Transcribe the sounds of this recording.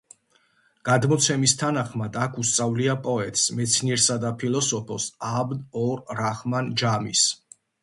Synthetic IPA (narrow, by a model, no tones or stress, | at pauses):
ɡ̥ad̪mɔt̪sʰɛmist̪ʰanaχmad̪akʰust̪sʼavliapʼɔɛt̪ʼsmɛt̪sʰniɛɾsad̪apʰilˠɔsɔpʰɔsabd̪ɔɾɾaχmand͡ʒamis